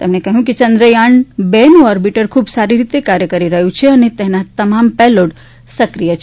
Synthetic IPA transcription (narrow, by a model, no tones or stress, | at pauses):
t̪emnekɐɦjũkit͡ʃɐ̃nd̪ɾəjaɳbenuɔɾbiʈəɾkʰuːbsaɾiɾit̪ekaɾjəkəɾiɾɐɦjũt͡ʃʰeɐnet̪eɦnat̪ɐmampɛloʈ | sɐkɾijət͡ʃʰe